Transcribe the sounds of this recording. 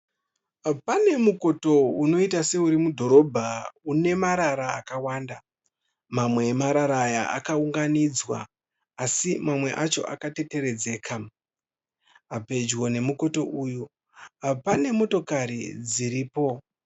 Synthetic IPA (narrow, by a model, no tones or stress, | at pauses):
pane̞muko̞to̞uno̞itase̞uɾimudʱo̞ɾo̞bʱaune̞maɾaɾaːkawaːnda | mamwe̞ːmaɾaɾajaʔa̰kauŋɡanid͡zwa̰ː | simamwe̞ʔat͡ʃo̞̰ʔa̰kate̞te̞ɾe̞d͡ze̞ːkʰa | ape̞d͡ʒwo̞ne̞muko̞to̞ʔuːju | pane̞mo̞to̞kaɾḭd͡ziɾiːpo̞